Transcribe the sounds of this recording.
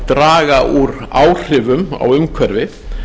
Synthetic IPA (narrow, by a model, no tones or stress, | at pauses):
t̪ɾaːɣaʔuɾaːwr̥ɪːvʏma̰wʏmkʰvɛɾvɪ